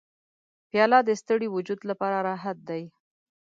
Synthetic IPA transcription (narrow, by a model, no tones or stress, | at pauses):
pjɑlɑd̪əst̪əɽiwʊd͡ʒud̪lapɑɾaɾɑɦat̪̚d̪aj